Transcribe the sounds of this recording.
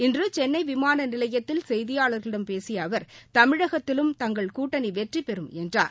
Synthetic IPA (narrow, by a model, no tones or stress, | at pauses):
ɪndrɯt͡ʃɛnːɐɪʋɪmaːnɐnɪlɐjɐt̪ːɪlsɛjðɪjaːɭɐɾɣɐɭɪɽɐmpeːsɪjɐːʋɐɾt̪ɐmɪɻɐɣɐt̪ːɪlɯmt̪ɐŋɡɐɭkuːʈːɐniʋɛʈripɛɾɯmɛndra̰ːɾ